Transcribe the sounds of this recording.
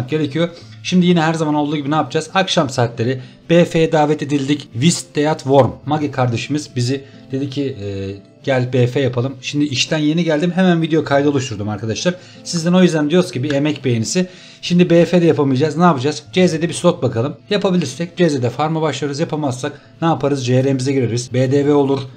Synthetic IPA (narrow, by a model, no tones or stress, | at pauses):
k̚ɟe̞ɾe̞cʰijo | ʃimd̪ijinɛɦæɾzamanolˠd̪uːɟibinaːpʰɯd͡ʒaːzakʃamsaːt̪lʲe̞ɾi | b̥efejɛd̪aːvɛt̪ed̪ilʲd̪icvist̪d̪ejat̪vo̞ɾmːaɡikʰaɾd̪aʃɯmɯz̥bizi | d̪e̞d̪icʰi | ɟ̥ælʲbefejapʰalˠɯmʃimd̪iiʃt̪ʰænje̞niɟælʲd̪imɦemænvid̪ejokʰajd̪ɯo̞lˠuʃt̪ʰuɾd̪umaɾkʰad̪aʃlˠaɾ̥ | sizd̪æno̞jyzd̪ænd̪ijo̞ɾuz̥cibiemɛcbejenisɪ | ʃimd̪ibeːfed̪ɛjapʰamɯjad͡ʒaːznaːpɯd͡ʒaz̥d͡ʒezed̪ɛbislʲot̪̚bakʰalˠɯmjapʰabilʲiɾsɛc̚d͡ʒezed̪ɛfaɾmabaʃlˠajɾɯzjapʰamazːak | naːpʰaɾɯzd͡ʒeɾemizɛɟiɾeɾiɾizbeːd̪evɛo̞lˠuɾ̥